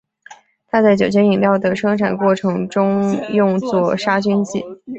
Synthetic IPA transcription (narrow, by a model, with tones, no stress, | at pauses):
t̪ʰa˥t͡sa˥˩ɪt͡ɕjo˨˩ʊt͡ɕʰjɛ˥ni˨˩ŋt̪jɑ˥˩ʊd̪ə˩ʂɤ˥ŋʈ͡ʂʰa˨˩nkwɔ˥˩ʈ͡ʂʰɤ˧˥ŋʈ͡ʂʊ˥ŋjʊ˥˧ŋt͡swɔ˥˩ʂa˥t͡ɕy˥nt͡ɕḭ˥˩